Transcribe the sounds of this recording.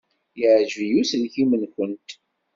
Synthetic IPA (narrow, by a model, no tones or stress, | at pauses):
jəʕʒvijuslçimənkʷənt̪